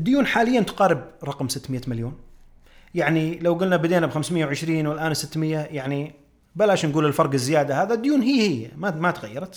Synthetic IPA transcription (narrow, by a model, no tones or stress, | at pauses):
ʔd̪ːjuːnħaːlɪjːant̪ʊ̥qɑːɾɪbɾˤɑqmsɪt̪ːmɪjːamaljoːn | jaʕnilawɡʊlnabad̪eːnabxamsmɪjːawʕɪʃɾiːnwɪlʔaːnsɪt̪ːmɪjːajaʕni | balaːʃnɡuːlɪlfɑɾˤɡɪzːɪjaːd̪ahaːðad̪ːjuːnɦiːhɪjmamat̪ɣa̰jːɑɾˤɑt̪